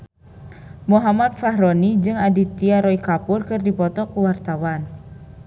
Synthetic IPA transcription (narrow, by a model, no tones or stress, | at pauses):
moɦamat̪̚faɦɾonid͡ʒɨŋadit̪iaɾɔikapʊrkɨrdipɔt̪ɔkuwart̪awan